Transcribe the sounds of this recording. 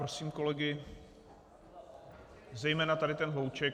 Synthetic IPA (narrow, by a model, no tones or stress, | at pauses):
ɾosiːmko̞lɛɡɪ | zɛjmɛːnat̪adɪt̪ɛnɦowt͡ʃɛk